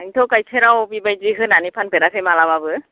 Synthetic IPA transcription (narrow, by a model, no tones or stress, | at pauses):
aŋtʰɔwkajsʰɛɾawbibajziɦɯnanipʰanpɛɾakʰɛjmalaβabɯ